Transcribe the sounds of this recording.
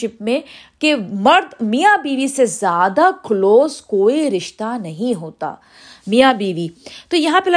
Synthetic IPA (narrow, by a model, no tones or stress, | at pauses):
ɪpmẽkemɐɾd̪mijabiːʋisezjaːd̪akloːzkoːiɾɪʃt̪anɐɦĩɦoːt̪a̰ː | mijabiːʋit̪ojɐɦãpelɐ